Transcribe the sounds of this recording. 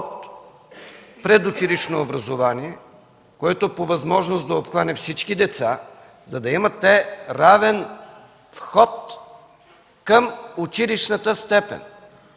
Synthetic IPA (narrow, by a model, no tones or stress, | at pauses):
t̪ | pɾɛd̪ʊt͡ʃiliʃnoːbɾɐzovaniɛ | koɛt̪opovɐzmɔʒnosd̪ɐopxvanɛfsit͡ʃkid̪ɛt̪sa | zɐd̪ɐimət̪ːɛɾavɛn | fxɔt̪ | kəmʊt͡ʃiliʃnət̪əst̪ɛpɛ̰n